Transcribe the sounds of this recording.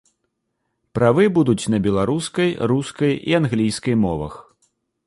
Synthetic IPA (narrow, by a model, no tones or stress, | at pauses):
pɾavɨbud̪ut͡sʲn̪ɐbʲɛlˠaɾuskɐjɾuskɐjḭanɣlʲijskɐjmɔvɐ̰x